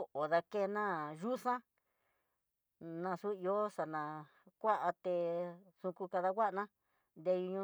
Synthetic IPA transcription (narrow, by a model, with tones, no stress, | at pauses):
ʔo˨ða˧ke˦˧nã˦ʒu˦sã˦ | nã˧su˦i˧o˦sa˧nã˨ | kʷa˦ʔa˧t̪e˧sũ˧ku˧ka˧ða˧kʷa˦ʔnã˦ | nd̪e˧ju˧ɲũ˧